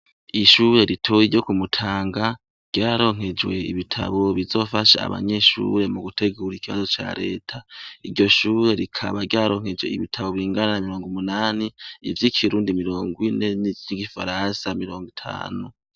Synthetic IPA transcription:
iʃuɾe̞ɾitʰojiɾɟo̞kumutʰaːŋɡa | ɾɟ̥aːɾo̞ŋ̥he̞d͡ʒwe̞ḭβitʰa̰βo̞βizo̞ːfaʃa̰a̰βa̰ɲe̞ʃṵɾe̞muɡutʰe̞ɡuːɾikiβa̰zo̞t͡ʃa̰ːɾe̞̰ːtʰaiɾɟo̞ʃuɾe̞ɾikʰa̰βaɾɟaːɾo̞ːŋ̥he̞d͡ʒweiβitʰaβo̞βiːŋɡananamiɾo̞ːŋɡumunaːniivjikʰiɾuːndimiɾo̞ːŋɡwine̞nivjiɡifaɾansamiɾo̞ːŋɡitʰa̰ːnu

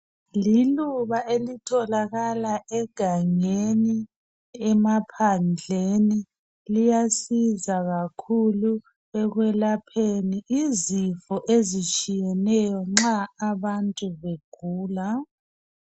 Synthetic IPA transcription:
liluβaʔelitʰɔlaɣalaʔɛɡ̥ʱaŋeni | ɛmapʰand͡ɮʱeni | lijasizaɣakʰulu | ɛɣwɛlapʰeniʔizifɔʔezit͡ʃʼijɛnɛjɔŋ͡ǁaːβantʼuβeɡ̥ʱuːla

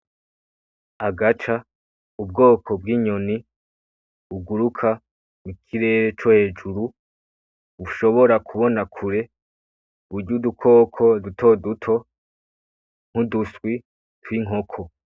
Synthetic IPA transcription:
aɡat͡ʃa | ub̚ɡo̞ːkʰo̞b̚ɡiːɲo̞ni | uɡuɾukʰa | mukʰiɾe̞ːɾe̞t͡ʃohe̞ːd͡ʒuɾu | βuʃo̞βo̞ɾakʰuβo̞nakʰuɾe̞ | uɾɟudukʰo̞ːkʰo̞dutʰo̞dutʰo̞ | ŋ̥hudusɡwi | twiŋɦo̞kʰo̞

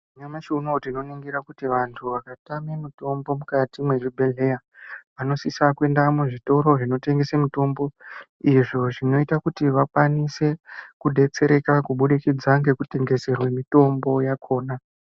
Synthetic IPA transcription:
uɲamat͡ʃunotino̞niŋɡiɾakutiʋantʰuʋakatamemito̞mbo̞mukatimwe̞ʐibʱe̞ɮe̞ja | ʋano̞sisakue̞ndamuʐito̞ɾo̞ʐino̞te̞ŋɡesemito̞mbo̞ | iʐo̞ʐino̞itakutiʋakwanise̞kuɗe̞t͡se̞ɾe̞kakuɓuɗikid͡zaŋɡe̞kute̞ŋɡe̞se̞rwemito̞mbo̞jakʰo̞ːna

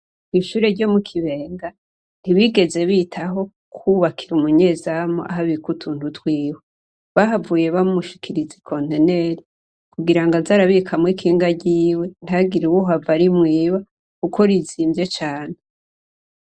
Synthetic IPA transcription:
iʃuːɾeɾɟo̞mukʰiβe̞ːŋɡa | n̥iβiɡe̞ze̞βiːtʰaɦo̞ | kʰuβakʰiɾumuɲe̞zamoʔa̰ɦaβikutʰuːntutwiːwe | βaɦavuːje̞βamuʃi̥kʰiɾizi̥kʰontene̞ɾi | kuɡiɾaŋɡazaɾaβikʰamwikʰiːŋɡaɟiːwe̞n̥aɡiɾiwuɦavaɾimŋiːβa | kuko̞ɾiziːmzjet͡ʃaːn̥e

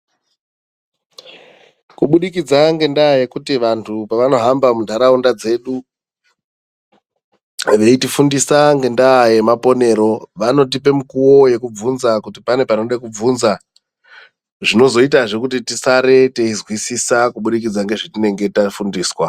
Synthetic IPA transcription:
kuɓuɗikid͡zaŋɡe̞ndaːje̞kutiʋantʰupaʋano̞ɦambamundʱaɾaundad͡ze̞ɗu | ʋe̞itifundisaŋɡe̞ndaːje̞mapo̞ne̞ɾo̞ʋano̞t̬ipe̞mukuwo̞je̞kub͡vunzakutipane̞panoɗakub͡vunza | ʐino̞zo̞itaʐe̞kutitisaɾe̞teizwisisakuɓuɗikid͡zaŋɡe̞ʐetine̞ŋɡe̞tafundiːswa

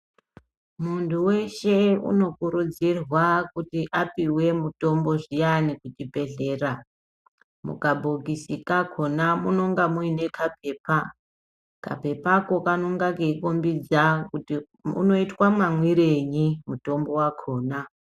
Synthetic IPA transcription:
muntʰuwe̞ʃe̞ṵno̞kuɾud͡zirwakutiʔapiwe̞muto̞mbo̞ʐijanikut͡ʃibʱe̞ɮe̞ːra | mṵkabʱuɡisikakʰo̞namuno̞ŋɡamuine̞kʰap̚e̞ːpa | ka̰pe̞pako̞kanoŋɡakeikombid͡zau | ṵno̞itwamamwiɾeɲimuto̞mbo̞wakʰoːna

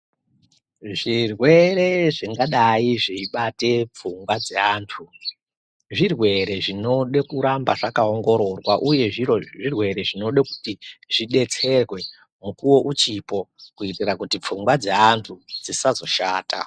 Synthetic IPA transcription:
ʐirwe̞ɾe̞ʐiŋɡaɗaiʐiiɓate̞p͡fuŋɡwad͡zeaːntʰu | ʐirwe̞ɾe̞ʐino̞ɗekuɾambaʐakaoŋɡo̞ɾo̞rwaʔuje̞ʐiroʐirwe̞ɾe̞ʐino̞ɗaku̥tiʐiɗe̞t͡se̞rwe̞ | mukuwo̞ʔut͡ʃipo̞kuitirakutip͡fuŋɡwad͡zeantʰud͡zisazo̞ʃaːta̰

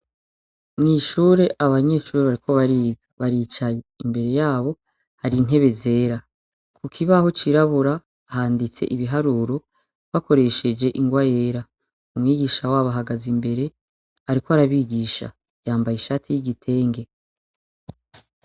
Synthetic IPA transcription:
mŋiːʃuːɾe̞ʔaβaɲe̞ʃuːɾeβaɾikʰo̞βaɾiːbɡaβaɾiːt͡ʃajeimbe̞ɾe̞jaːβo̞ | haɾin̥e̞βe̞ze̞ːɾa | kʰukʰiβaho̞t͡ʃiɾaβuɾa | haːndit͡se̞̰ʔiβiɦaɾuːɾo | βako̞ɾe̞ʃe̞d͡ʒe̞ʔiŋɡwaje̞ːɾa | umŋiːɡiʃawaːβaɦaɡazimbe̞ɾe̞ | haɾikoaɾaβiːɡiːʃa̰ | jaːmbajiʃaːtʰijiɡitʰe̞ːŋɡe̞

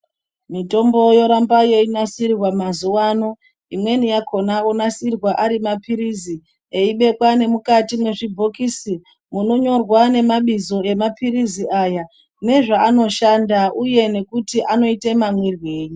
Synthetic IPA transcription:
mito̞mbo̞jo̞ɾambajeinasirwamazuwano̞ | imwe̞nijakʰo̞naonasirwaʔaɾimapiɾizi | eiɓe̞kwane̞mukatimwe̞ʐibʱo̞kisi | muno̞ɲo̞rwane̞maɓizo̞e̞mapiriziʔaja | ne̞ʐaːno̞ʃandaʔuje̞ne̞kutiʔano̞itemamwirwe̞ːɲi

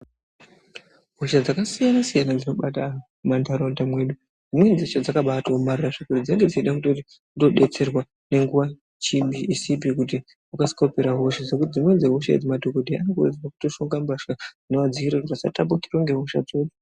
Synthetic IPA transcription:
ɦo̞ʃad͡zakasijanasijanad͡zino̞ɓata | mandaɾondamwe̞ːɗu | d͡zimwe̞nd͡zeʃad͡zakaɓataomariraʐikurid͡zieŋɡe̞d͡zit͡ʃiɗakutoti | ndo̞ɗe̞t͡se̞rwa | ne̞ŋɡuʋa | t͡ʃimbiʔisip̬ikut̬i | ukasi̥kopeɾaɦo̞ʃad͡zekutid͡zimwe̞d͡zeɦoʃa̰d͡zimadʱokodʱianokurḛd͡ziwaku̥to̞ʃoŋɡambaʃa | neʋad͡ziiriroʋasa̰tapukiroŋɡe̞ɦo̞ʃa̰d͡zo̞ɗu

